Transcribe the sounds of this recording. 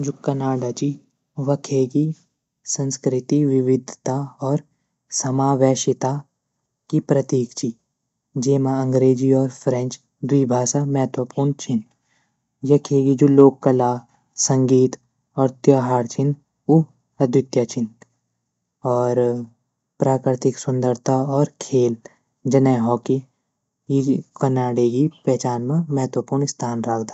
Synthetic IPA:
d͡ʒukːɐnaːɖat͡ʃi | ʋɐkʰeːɡi | sɐ̃nskɾɪt̪iʋɪʋɪd̪ʱt̪aɔːɾ | sɐmaːʋɛːʃɪt̪a | kipɾɐt̪iːkt͡ʃi | d͡ʒeːmaɐ̃ŋɡɾeːd͡ʒiɔːɾpʰɾẽnt͡ʃ | d̪wiːbʱaːʃamɛɦət̪wəpuːɾɳt͡ʃʰɪn | jɐkʰeːɡid͡ʒuloːkːɐlaː | sə̃ŋɡiːt̪ | ɔːɾt̪jaːɦaːɾt͡ʃʰɪn | u | ɐd̪ʱjʊt̪jat͡ʃʰɪn | ɔːɾ | pɾaːkɾɪt̪ɪksʊ̃nd̪əɾt̪ʰaɔːɾkʰeːl | d͡ʒɐnɛːɦɔːki | jikənaːɽeɡipɛːt͡ʃaːnmãmɛɦt̪wəpuːɾɳɪst̪ʰaːnɾaːkʰd̪aː

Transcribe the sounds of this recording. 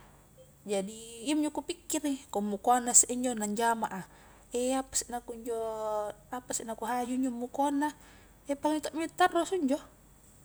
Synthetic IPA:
d͡ʒadiːmd͡ʒɔkupikːirikɔmːukoanːaseʔiɲd͡ʒɔnaɲd͡ʒamaʔa | ɛapḁsinakuɲd͡ʒɔ | apasnakuɦad͡ʒuɲd͡ʒɔmːukɔanːa | ɛpaliŋit̪ɔʔmit̪arːɔsuɲd͡ʒɔ

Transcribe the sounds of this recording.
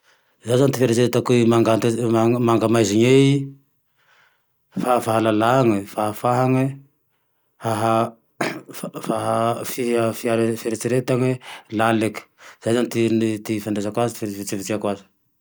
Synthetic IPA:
zajzant̪ifeɾet͡seɾet̪akuimaŋɡant̪amaŋɡamajziɲei | fafaɦalalaŋəfaɦafaɦaŋe | haɦa | faɦafiafiaɾefeɾet͡seɾet̪aŋelaleki̥z̥ajzanit̪int̪ifand̪ezakwazit̪ffit͡sivit͡siakwazi̥

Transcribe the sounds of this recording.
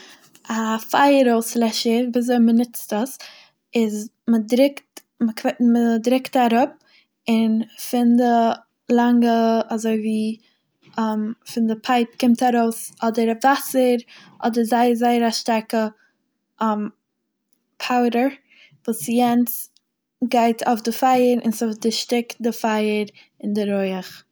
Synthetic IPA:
ʔafaɪəɾoʊslɛʃəviːzoɪmənɪt͡stəs | ɪz | mədɾɪkt | məkʰmədɾɪktaɾʊp̚ | ɪnfɪndə | laŋɡəazoɪviː | ɔmfɪndəpʰaɪp̚kʰɪmtaɾoʊsɔdəɾavasəɾʔɔdəɾzaɪzaɪəɾaʃtaɾkə | m | pʰaʊɾəɹ | vuːsjɛnt͡s | ɡaɪtʰaʊfdɪfaɪəɾɪ̰nsafdɪʃtɪkt̚dɪfaɪəɾ | ɪndɪɾoɪəχ

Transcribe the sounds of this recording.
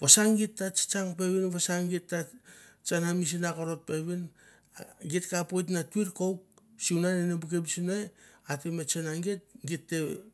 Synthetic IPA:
βasaŋɡitːat͡ʃi̥t͡ʃaŋpe̞βinβasaŋɡitːat͡ʃanamis̬inakoɾot̚pe̞βin | ɡitkapojt̬natuiɾkowk̚siunanenebukebisinajatemet͡ʃenaŋɡet̚ɡitːe̞̰

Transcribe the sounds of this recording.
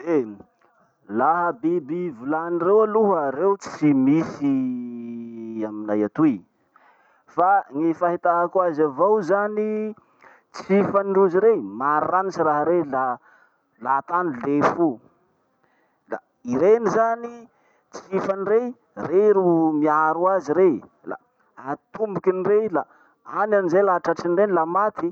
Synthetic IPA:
e | laɦəbibivulanirewaluɦəɾewt͡simisi | aminajat̪ui | faŋefaɦit̪aɦakwazavawzani | t͡sifaniɳruziɾemaɾaranisiraɦəɾela | lat̪anilefu | la̰ | iɾenizani | t͡sifanire | reɾumiaɾuaziɾe | la̰ | at̪umbukinirela | ananizejlaɦaʈ͡ʂaʈ͡ʂinirenilamat̪i

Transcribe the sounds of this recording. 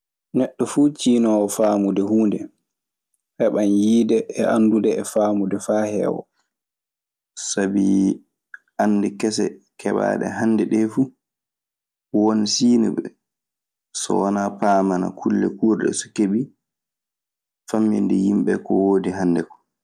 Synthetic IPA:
nɛɗːɔfuːt͡ʃiːnɔwɔfaːmudɛhuːndɛ | hɛɓanjiːdɛʔɛandudɛɛfaːmudɛfaːhɛ̰wɔ̰ | sabi | anːdɛkɛsɛkʰɛɓa̰ːɗɛ̰ɦanːdɛɗɛfu | wonsiːnuɓɛ | sɔ̰wanapaːmana̰kʰulːɛkuːɾɗɛ̰sɔ̥keɓi | famːḭndɛjimɓɛkɔwoːdiɦanːdɛkɔ̥

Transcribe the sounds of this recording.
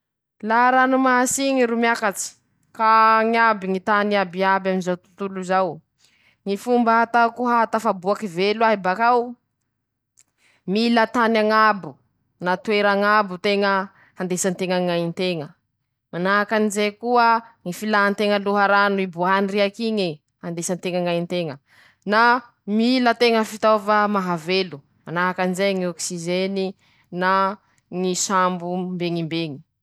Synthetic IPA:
laɾanumasiŋiɾumjakat͡si̥ | kaŋabiŋit̪aniabiabaminzawt̪u̥t̪uluzaw | ŋifumbaat̪akuɦaat̪afabuakivelwaɦibakaw | milat̪anaŋabu | nat̪weɾaŋabut̪eŋə | hand̪esant̪eŋaŋaint̪eŋə | manaɦakanizejkuəŋifilaɦant̪eŋəluɦaɾanibuaniriakiɲi | hand̪esant̪eŋaŋajint̪eŋə | na | milət̪eŋəfit̪ovamaɦavelu | manaɦakanizeŋiɔksizeni | na | ŋisambumbeŋimbeŋi̥

